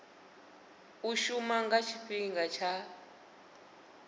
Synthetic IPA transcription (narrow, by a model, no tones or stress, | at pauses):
uʃumaŋɡat͡ʃʰiɸiŋɡat͡ʃʰa